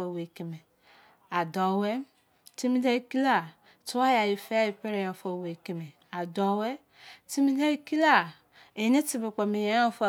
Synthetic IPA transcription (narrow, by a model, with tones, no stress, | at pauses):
o˨we˨ke˨me˨ | a˨dɔ˨we˦ | ti˦mi˦da˦˨ki˦la˦˨ | tu˦a˦ja˨ji˨fe˦i˨pe˦ɾe˨ja˨fo˨we˨ki˨me˨ | a˨dɔ˨˦we˦ | ti˦mi˦da˦ki˦la˦˨ | e˨ne˦ti˨be˨k͡pe˨mi˨ja˦o˦˨fa˨